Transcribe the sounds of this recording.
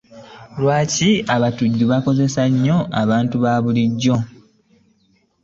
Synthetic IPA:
lwaːciaβatuɟːuβako̞ze̞saɲːo̞ʔaβaːntuβaːβuliɟːo̞

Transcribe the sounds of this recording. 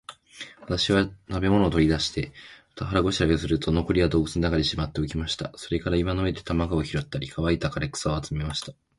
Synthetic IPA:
βat̪aɕiβat̪abe̞mo̞no̞ːt̪o̞ɾʲid̪aɕi̥t̪e̞t̪aɦaɾaɡo̞ɕiɾabesɨɾɯ̟t̪o̞no̞ko̞ɾʲiad̪o̞ːbɯ̟t͡sɨnnakaɾd̪ʲeɕimat̪ːe̞okʲimaɕi̥t̪aso̞ɾe̞kaɾaimano̞et̪e̞t̪ʰamaɡaoçiɾo̞t̪ːaɾʲikʰaβait̪akaɾe̞kɯ̥sao̞at͡sɨme̞maɕi̥t̪ḁ

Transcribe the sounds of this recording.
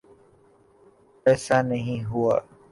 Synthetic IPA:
ɛːsaːnəɦĩːɦʊaː

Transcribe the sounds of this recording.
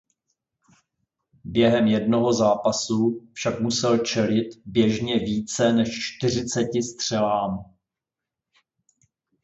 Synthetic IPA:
bjɛɦɛmjɛdno̞ɦo̞zaːpasufʃakmusɛlt͡ʃɛlɪt̪bjɛʒɲɛviːt͡sɛnɛʃt͡ʃt̪ɪr̝ɪt͡sɛcɪst̪r̝̥ɛlaːm

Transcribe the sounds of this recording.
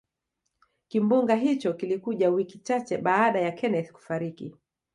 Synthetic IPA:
kimbuŋɡaɦit͡ʃɔkilikuʄawikit͡ʃat͡ʃɛɓaːɗajakʰɛnɛθku̥faɾikḭ

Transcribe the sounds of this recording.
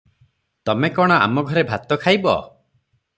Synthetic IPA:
t̪ɔmekɔɽ̃aa̰mɔɡʱɔɾebʱat̪ɔkʰajbɔ̰

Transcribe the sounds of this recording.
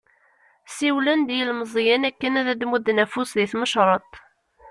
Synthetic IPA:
siwlænd̪jlməzˤjænækːənæðæd̪mud̪næfusðiθməʃɾˤət̪ˤ

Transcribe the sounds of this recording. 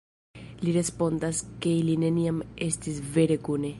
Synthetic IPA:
liɾe̞spo̞ndaske̞iline̞niame̞stisve̞ɾe̞kune

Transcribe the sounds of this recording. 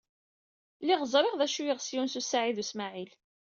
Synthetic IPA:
liʁəzˤɾˤɪʁðæʃujɪʁsjunsusaʕiðusmaʕil

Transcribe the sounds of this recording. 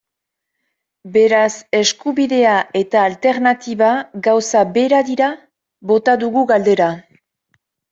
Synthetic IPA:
be̞ɾase̞skuβiðe̞aʔe̞t̪aːlt̪e̞ɾnat̪iβaɡawsabe̞ɾaðiɾa | βo̞t̪aðuɣuɣald̪e̞ɾa

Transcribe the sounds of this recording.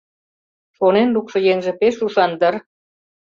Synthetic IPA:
ʃonenlukʃŏjeŋʒĕpeʃuʃɑnd̪ər

